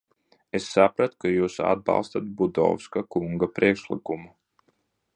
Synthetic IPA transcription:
esːapɾat̪u̥kajuːsa̰d̪̚bɑ̰lˠst̪at̪̚bud̪ɔ̰wskakuŋɡapɾiɛkʃlˠḭkumu

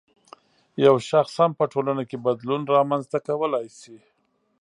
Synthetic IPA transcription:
jawʃaxshampəʈolanakebad̪lunɾɑmanzt̪akawəlajsi

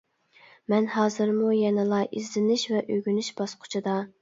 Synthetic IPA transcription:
mɛnhɑːzɨɾmujɛnɨlˠɑʔizlɪnɪʃvɛʔøɡʲynyʃbɑsqʰʊ̥t͡ʃʰɨd̪ɑ

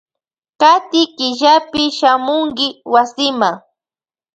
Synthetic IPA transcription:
kat̪ɪkɪʎapɪʃamʊŋkɪwasɪmaŋ

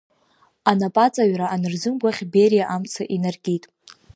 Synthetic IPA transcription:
anapʼat͡sʼaɥraːnɨrzɨmɡʷaχʲbeɾjaʔamt͡sʰaʔinarɡʲʼitʼ

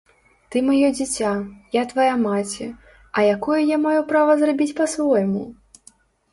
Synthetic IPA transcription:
t̪ɨmajɔd͡zʲit͡sʲajat̪vajamat͡sʲɛ | ɐjakɔjɐjamajupɾavɐzrabʲit͡sʲpɐsvɔjmṵ

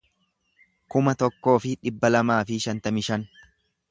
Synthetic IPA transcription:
kʊmɐt̪ɔkːo̞ːfɪᶑɪbːɐlɐmaːfɪʃɐnt̪ɐmɪʃɐn

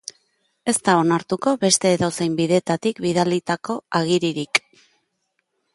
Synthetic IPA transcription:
e̞st̪ao̞naɾt̪uko̞βe̞st̪e̞ːðosejmbiðe̞ːt̪at̪ikbiðalit̪ako̞aɣ̞iɾiɾik

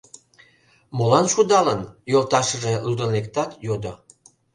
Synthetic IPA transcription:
molɑnʃud̪ɑlənjolt̪ɑʃəʒelud̪ənek̚t̪ɑt̪jod̪o

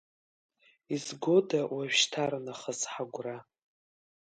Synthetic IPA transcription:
izɡo̞dawaʒʃtʰarnaχəzħaɡʷra

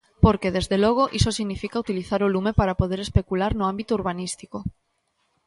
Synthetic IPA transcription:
poɾkeðezðelɔɣ̞oʔisosiɣnifikaut̪iliθaɾolumepaɾapoðeɾespekulaɾnʊambit̪ouɾβanist̪iko

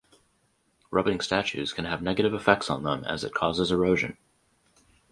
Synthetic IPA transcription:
ɹʌbɪ̃ŋstæt͡ʃʉ̰z̥kʰɨ̃nɨvnɛɡɨɾɨvəfɛk̚tsn̩ðə̰̃mɨ̰zɨ̰t̚kʰɔzəzə˞oʊʒɨ̰̃n

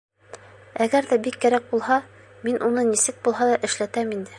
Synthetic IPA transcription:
æɡæɾðæbikːæɾæk̚bulˠhɑ | minʔunɤnisɘk̚bulˠɦɑlˠɑʔɘ̆ʃlæt̪æmind̪ɘ

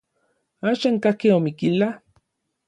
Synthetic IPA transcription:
aːʃaŋkahkeomikila

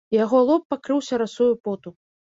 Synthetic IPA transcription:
jaɣɔlˠɔpːakɾɨwsʲɐɾasujupɔt̪u

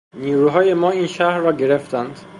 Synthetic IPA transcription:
niːɾuːɦɒːje̞mɒːiːnʃæhɾːɒːɟe̞ɾe̞ft̪ænd̪

